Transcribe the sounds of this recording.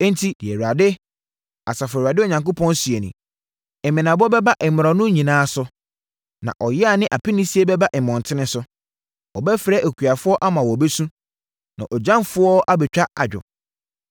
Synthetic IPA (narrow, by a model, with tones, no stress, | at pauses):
ɛ̃˦n˦tʰi˨dɪ˨ɛ˨wu˨a˨dɪ˦ | a̰˨sa˨fa˨dɪ˦ɔ˨ɲã˨ŋko˦pʰɔ̃˦nsɥe˨nḭ̃˨ | ɛ˨mɪ̃˨nã˨bɔ˦bɛ˦ba˦ʔɛ˨mʊ˨ɾɔ˨nʊ̃˦ɲĩ˨nãː˦sʊ˨ | nã̰˨ʔɔ˨jɪ˦a˨nɪ̃˦ʔa˨pʰi˦nɪ̃˦si˦e˦bɛ˦ba˦ʔɛ˨m˨ɔ̃˨n˨tʰɪ̃˦nɪ̃˦sʊ˦ | ɔ˨bɛ˦fɾɛ˦ʔæ˨kʰu˨a˨fʊ˦ɔ˦ʔa˦mã˨wɔ˨be˦sũ˦ | nã̰˨ʔɔ˨d͡ʑã˦mfʊ˦ɔ˦ʔa˦bɛ˨t͡ɕᶣa˦a̰˨d͡ʑᶣɔ̰˨